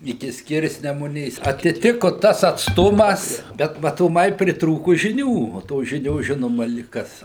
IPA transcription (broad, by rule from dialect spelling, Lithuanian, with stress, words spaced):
ɪˈkʲɪ ˈsʲkʲɪrʲsʲnʲɛmʊnʲeːs ɐtʲɪˈtʲɪkʊ ˈtɐs ɐtsˈtʊmɐs ˈbʲɛt mɐtoːˈmɐɪ pʲrʲɪtˈruːkʊ ʒʲɪˈnʲuː oː ˈtoːs ˈʒʲɪnʲoːs ˈʒʲɪnoːmɐ lʲɪk ˈkɐs